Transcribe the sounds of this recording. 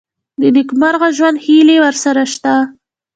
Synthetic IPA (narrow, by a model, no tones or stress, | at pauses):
d̪əd̪ikmaɾɣaʒwand̪hilewəɾsaɾaʃt̪a